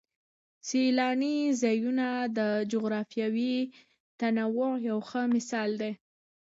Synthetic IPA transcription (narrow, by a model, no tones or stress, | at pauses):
silɑnizɑjunad̪əd͡ʒʊɣɾɑfjawi | t̪anawʊjawxəmɪsɑld̪e